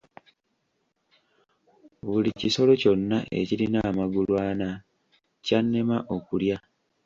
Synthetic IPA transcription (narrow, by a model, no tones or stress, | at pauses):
βuliciso̞lo̞co̞nːaʔe̞̰ciɾinaːmaɡulwaːna | canːemaʔo̞kulja